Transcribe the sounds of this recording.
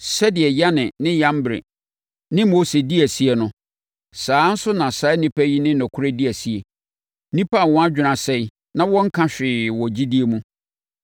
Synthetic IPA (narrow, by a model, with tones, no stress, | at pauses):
sɛ˦dɪ˨ɛ˨ja˦nɪ̃˨nɪ̃˦jã˦m˦bɾḛ˨ | nɪ̃˦mo˦se˨di˦æ˨si˦ɛ˨nʊ̃˦ | saː˨˦n̩˦sʊ˦nã˨sa˦nĩ˦pʰæ˦ji˦nɪ̃˦nɔ̃˨kʰʊ˦ɾe˦di˦æ˨si˨˦e˨ | nĩ˦pʰa˦a˨wɔ̃˦a˦d͡ʑᶣɪ˨nã˨sɛ˦ | nã˦wɔ̃˦ŋ̩˦kʰã˦ɕᶣɪː˨wɔ̃˨d͡ʑi˦di˦e˨mũ˦